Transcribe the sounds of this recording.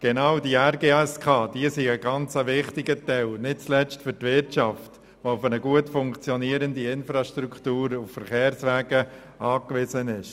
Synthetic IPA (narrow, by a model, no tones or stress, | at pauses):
ɡ̥ɛnaːʊdiɛɾɡeːɛskʰɑːd̥iəsiəɡɑnt͡səʋɪχtɪɡətɛɪlnɪt̚t͡slɛt͡stfʏɾtʋɪɾtt͡ʃɑft | ʋoʊfənəɡuətfʊŋkt͡sjɔniəɾəndiɪnfɾɑʃtrukχtuːɾʊffəɾχeːɾsʋɛːɡ̥ə | ʔɑːkʋɪzənɪʃ